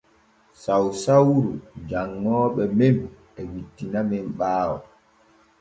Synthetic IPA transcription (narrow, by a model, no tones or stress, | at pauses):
sawsawɾud͡ʒaŋːɔːɓɛmem | ɛwitːinamɛmɓaːwɔ